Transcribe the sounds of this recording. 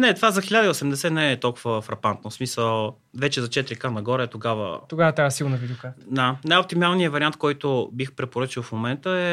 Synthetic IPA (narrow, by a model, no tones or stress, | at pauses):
nɛt̪ovazɐxilʲad̪əiosɛmd̪ɛsɛnɛːt̪ɔlˠkʊvəfɾɐpant̪nosmisəlˠ | vɛt͡ʃɛzɐt͡ʃɛt̪ɾikanɐɡɔɾɛɛt̪oɡavə̰t̪oɡavɐt̪ajəsilˠnɐvid̪ukad̪anajop̚t̪imalˠnijəvɐɾiant̪̚kɔjt̪obixpɾɛpoɾɤt͡ʃilˠfmomɛnt̪əɛ